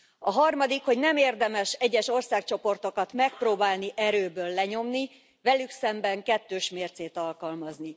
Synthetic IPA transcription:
ɒɦɒrmɒd̪ikho̞ɟnɛmeːrd̪ɛmɛʃɛɟːɛʃo̞rsaːk̚t͡ʃo̞po̞rt̪o̞kɒt̪mɛk̚proːbaːlniʔɛɾøːbøːlːɛɲo̞mni | vɛlyksɛmbɛŋkɛt̪ːøːʃmeːrt̪seːt̪ɒlkɒlmɒzni

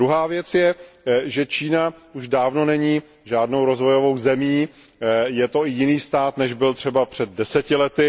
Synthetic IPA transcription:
ɾuɦaːvjɛt͡sjɛʒɛt͡ʃiːnauʒdaːvno̞nɛɲiː | ʒaːdnowɾo̞zvo̞jo̞vowzɛmiː | jɛt̪o̞ɪjɪniːst̪aːt̪nɛʒbɪlt̪r̥ɛbapr̝̥ɛd̪̚dɛsɛcɪlɛt̪ɪ

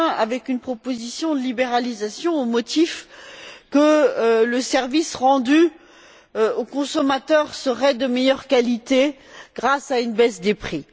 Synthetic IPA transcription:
ɛ̃avɛkynpχɔpozisjɔ̃d̪əlibeʁalizasjɔ̃omɔt̪if | kələsɛʁvisʁɑ̃d̪y | okɔ̃sɔmat̪œʁsəʁɛd̪əmejœʁkalit̪e | ɡ̥ʁasaynbɛsd̪epχi

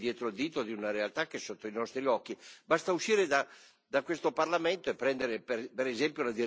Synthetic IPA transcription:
d̪jɛːt̪ɾold̪iːt̪od̪iunaɾealt̪ak̟ːeɛsːot̪ːoinɔst̪ɾiɔkːibast̪auʃːiːɾed̪a | d̪akwest̪oparlament̪oepːɾɛnd̪eɾeppeɾezɛmpjolad̪i

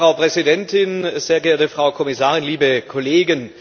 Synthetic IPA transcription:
ʁaʊpʁ̥ɛzidɛntʰɪnz̥eːɐɡɛːɐtəfʁ̥aʊkʰɔmɪsaːʁɪnliːbəkʰɔleːɡən

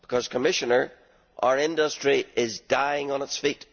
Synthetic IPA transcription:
b̥ɪkʰʌz̥kʰəmɪʃənə˞ | ʔa̰ə˞ɪ̃ndəstɹ̥iʔɪzdaɪɪ̃ŋə̃nɪtsfiʔ

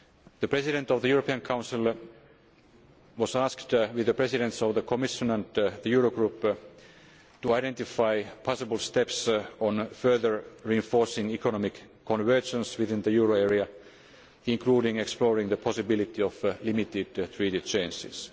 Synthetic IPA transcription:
ðəpɹ̥esiɾɛ̃nt̪ɔvðəjuːɹopiə̃nkʰãʊ̃nsil | wɔsasktwɪðəpɹ̥esiɾɛ̃nt̪sɔvðəkʰomɪʃə̃næ̃nd̪ðəjuːɹoɡɹup | t̪uaɪɾẽnt̪ifaɪpʰɑsibəlˠst̪epsõnfɜ˞ðəɹɹiɨ̃ɱfoːɹsɪ̃ŋikʰonɔmikʰː | ɔ̃nʋɜ˞d͡ʒə̃nswiðɪ̃nðəjuːɹoeɹia | ĩŋkʰluːɾĩŋeksploːɹĩŋðəpʰɔsibɪlit̪iɔflimit̪ɪdt̪ʰɹitit͡ʃẽnsɪ̰s

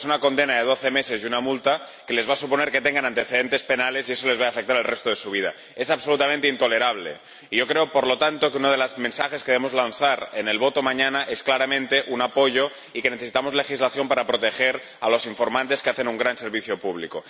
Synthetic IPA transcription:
sunakond̪e̞naðeð̞o̞θeme̞se̞zjunamult̪a | ke̞le̞zβasupone̞ɾke̞t̪eŋɡanãnt̪e̞θeðe̞nt̪espe̞nale̞sieso̞le̞zβaafek̚t̪aɾalrest̪oð̞e̞suβ̞ið̞a̰ | e̞saβso̞lut̪amẽnt̪eint̪o̞le̞ɾaβlḛ | iʝo̞kɾeopoɾlo̞t̪ant̪o̞keunað̞e̞lazmẽnsaxeskee̞emo̞zlanθaɾene̞lβo̞t̪o̞maɲanaʔe̞sklaɾamẽnt̪e̞ʔunapo̞ʝo̞ | ike̞neθeit̪amo̞zle̞xizlaθjo̞mpaɾapɾo̞t̪e̞xe̞ɾ | alo̞siɱfo̞ɾmãnt̪eskeaθe̞nuŋɡɾanse̞ɾβiθjo̞puβlḭko

